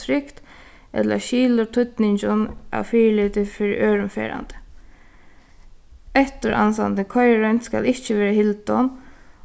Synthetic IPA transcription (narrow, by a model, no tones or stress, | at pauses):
ɾɪkt̪ | ɛ̰t̪lə̰ʃiːlʊt̪ʰʊt̪nɪɲt͡ʃʊna̰wfiːliːt̪ɪfɪɾɪ̰ʔøːɹʊmfɛ̰ːɾa̰nt̪ə̥ | ɛt̪ʊɾʔa̰nsa̰nd̪əkʰɔjɹœnt̪ska̰lɪht͡ʃːəʋɛːɾahɪlt̪ɔn